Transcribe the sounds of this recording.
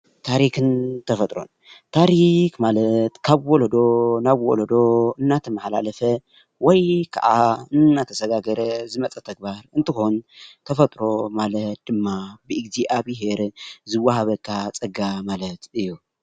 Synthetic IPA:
t̪ʰaɾikɨnt̪ʰɐfɐt̪ʼɾo̰n | t̪ʰaɾikmalɐt̪kʰaβwolod̪o̞naβwo̰lod̪o̞ɨnːat̪ʰɐmħla̰lɐfɐ | wɔjkʰa̰ʕa̰ɨnnːat̪ʰɐsɐɡaɡɐɾɐzɨmɐt͡sʼɐt̪ʰɐɡ̚baɾɨnt̪ʰɨxont̪ʰɐfɐt̪ʼɾo̞malɐt̪̚d̪̥ɨmːabɨɨɡziʔaβiɦe̞ɾzɨwːaɦaβɐkʰːat͡sʼɐɡamalɐt̪ɨjːu

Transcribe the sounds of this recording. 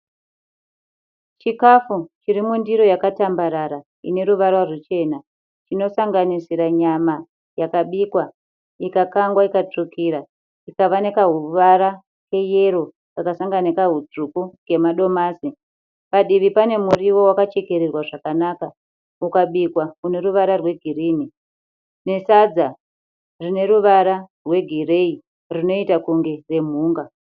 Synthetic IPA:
t͡ʃikafut͡ʃiɾimundiɾo̞jakatambaɾaɾa | ḭne̞ɾuʋarwarut͡ʃe̞na | t͡ʃino̞saŋɡanisiɾaɲama | jakaɓiːkwa | ikakaŋɡwaikat͡ʂukiɾa | ikaʋanekaɦuʋaɾa | ke̞je̞ɾo̞ | kakasaŋɡanekaɦud͡zukuɡe̞maɗo̞maːsi | paɗiʋipane̞muriwo̞wakat͡ʃe̞ke̞ɾerwaʐakanaka | ukaɓikwaune̞ɾuʋaɾarwe̞ɡʱiriːni | ne̞sad͡za | rine̞ɾuʋaɾarwe̞ɡʱire̞i | rino̞itakuŋɡe̞re̞m̤uːŋɡa

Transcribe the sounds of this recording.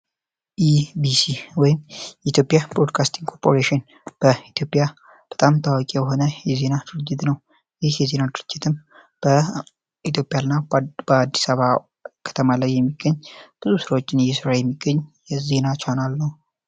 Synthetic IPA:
ʔibisiwɔjɪmjɛit̪ʰʲjo̞pʼjabɾod̪kʰast̪ʰiŋɡkʰo̞ɾpʰoɾeʃɪn | b̥əit̪ʰjo̞pʼja | b̥ət̪ʼamt̪ʰawɔkʼijɛɦo̞nəjɛze̞nad̪̥ɨɾɨd͡ʒːɪt̪nəw | jɪhjɛze̞nad̪ɨɾɨd͡ʒːɪt̪ʰɨm | b̥ə | it̪ʰjo̞pʼjanːabəad̪ːisaβa | kʰə̥t̪ʰəmalajːɛmːiɡ̥ːəɲːb̥ɨzusɨɾawot͡ʃːɪnɨjɛsɨɾajɛmːiɡːəɲː | ɛze̞nat͡ʃanalːəhu

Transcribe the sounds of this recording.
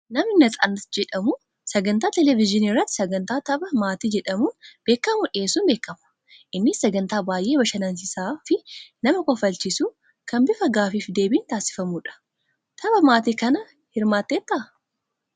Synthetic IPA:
nɐmɪnɐt̪ʼɐnɐd͡ʒɛᶑɐmʊ | sɐɡɐnt̪aːt̪ɛlɛvɪd͡ʒɪniːrːɐt̪ːɪ̥sɐɡɐnt̪aːt̪ɐbɐmaːt̪iːd͡ʒɛᶑɐmuːnb̥e̞ːkːɐmʊᶑɪeːsuːnbe̞ːkːɐmʊ̥ | ʔɪnːɪsɐɡɐnt̪aːbaːjʔe̞ːbɐʃɐnɐnsɪsaːfɪnɐmɐkɔfɐlt͡ʃisu | kɐnbɪfɐɡaːfiːfd̪e̞ːbiːnt̪aːsɪ̥fɐmuːᶑɐ̥ | t̪ʰɐbɐmaːt̪iːkɐnɐ | hɪɾmaːt̪ːeːt̪ːɐʔ

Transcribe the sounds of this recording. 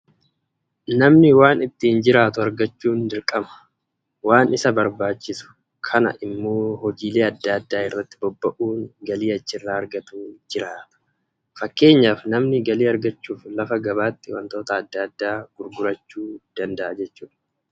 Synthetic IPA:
nɐmnɪwaːnɪt̪ːɪːɪnd͡ʒɪɾaːt̪ʊɐɾɡɐt͡ʃːuːnd̪ɪɾkʼɐmɐ̥ | waːnɪsɐbɐɾbaːt͡ʃːɪsʊ̥ | kʰɐnɐ̰ʔɪmːo̞ːhɔd͡ʒiːle̞ːɐd̪ːaːɐd̪ːaːɪrːɐt̪ːɪbɔbːɐʔuːŋɡɐliːɐt͡ʃːɪrːaːɐɾɡɐt̪uːd͡ʒɪɾaːt̪ɐ̥ | fɐkːe̞ːɲːaːfnɐmnɪɡɐliːɐɾɡɐt͡ʃːuːflɐfɐɡɐβaːt̪ːɪwɐ̰nt̪o̞ːt̪ɐːd̪ːɐːd̪ːaːɡ̥ʊɾɡʊɾɐt͡ʃːuːd̪̥ɐnd̪ɐʔɐd͡ʒɛt͡ʃːuːᶑɐ̥

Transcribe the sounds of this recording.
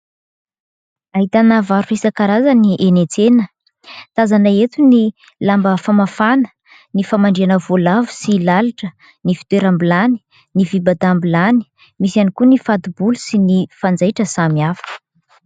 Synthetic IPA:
aɦit̪anavaɾuresakaɾazaniʔenet͡senə | t̪azanaet̪uni | lambəfamafanə̥ | nifamaɳɖ͡ʐianəvolavu̥silalaʈ͡ʂə | nifi̥t̪eɾambilani̥ | nivibad̪ambilani̥ | misianikunifat̪ubulusinifand͡zajʈ͡ʂəsamiafə̥

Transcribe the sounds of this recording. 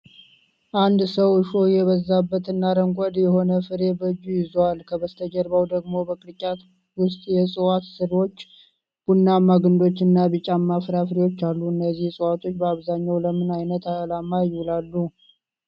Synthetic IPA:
ʔand̪səwɨʃojɛβəzːabːət̪ɨnːaɾəŋkʷʼad̪jɛɦo̞nəfɨɾe̞bəd͡ʒːujɪzwalkʰəbəst̪ʰəd͡ʒəɾbawd̪əɡmo̞bəkʼɨɾɨkʼat̪ | wʊst̪ʼjɛsʼɨwat̪sɨɾo̞t͡ʃː | b̥unːamːaɡɨnd̪o̞t͡ʃːnːabɨt͡ʃʼamːafɨɾafɨɾewo̞t͡ʃːalːuɨnːəzːihsʼɨwat̪ʰo̞t͡ʃːbəaβzaɲːawləmɨnajnət̪alamajwlalːu

